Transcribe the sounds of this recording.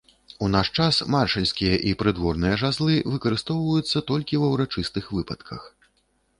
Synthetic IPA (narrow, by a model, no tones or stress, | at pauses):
unaʂt͡ʂasmarʂɨlʲsʲkʲijɐʔipɾɨd̪vɔrnɨjɐʐazlˠɨvɨkɐɾɨst̪ɔwvɐjut̪sːɐt̪ɔlʲkʲivɐwɾat͡ʂɨst̪ɨxvɨpɐt̪kʰɐ̰x